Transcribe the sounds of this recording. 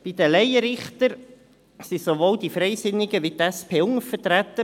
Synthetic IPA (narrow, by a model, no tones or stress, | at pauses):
b̥id̪əlɛjəɾɪχtəɾ | sisovoːld̪ifɾɛɪsɪnːɪɡəʋit̪ɛspʰeːʊŋəfətɾæt̪ə